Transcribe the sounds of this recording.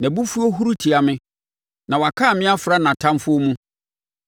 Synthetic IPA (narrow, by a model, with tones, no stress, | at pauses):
nã˨bu˦fu˦ɔ˦ɦu˦ɾu˦tʰi˨a˨mɪ̃˦ | nã˨wa˨kʰa˦˨mɪ̃˦a˦fɾa˦nã˨tʰã˦mfʊ˦o˦mũ˦